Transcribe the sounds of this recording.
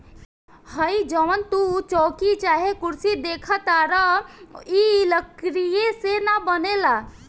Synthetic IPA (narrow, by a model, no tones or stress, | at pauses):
həid͡ʒəʋənt̪ut͡ʃɔkit͡ʃaɦekuɾsid̪ekʰət̪aɾə | iləkɾijesenabənela